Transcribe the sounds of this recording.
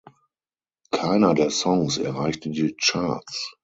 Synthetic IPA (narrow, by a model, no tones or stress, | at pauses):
kʰaɪnɐdeːɐsɔŋsɛ̰ɐʁaɪçtədiːt͡ʃaɐt͡s